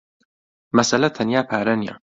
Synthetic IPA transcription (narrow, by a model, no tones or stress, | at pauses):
mɐsɐlɐt̪ʰɐnjaːpʰaːɾɐnija̰